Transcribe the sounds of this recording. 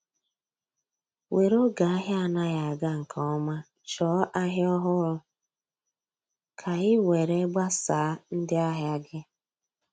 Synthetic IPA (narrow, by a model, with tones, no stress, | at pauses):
wʔe˨ɾo˦ɡa˨a˦ɦja˦˨na˦ɣa˨a˨ɡa˦ŋ̩˨kʰɔ˦ɔ˦ma˦ | t͡ʃɔː˨˦ʔa˦ɦjɔ˦ɦʊ˦ɾʊ˦ | kʰa˨ɣɪ˦we˨ɾe˦ɡ͡ba˦saː˨˦n̩˦dɪ˦a˦ɦja˦ɡɪ˦